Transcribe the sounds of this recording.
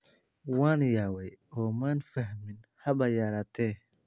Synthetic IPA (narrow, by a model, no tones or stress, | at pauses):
waːnjaːwɛjɔːmanfɐɦmɪnhɐbɐjaːɾat̪ʰɛ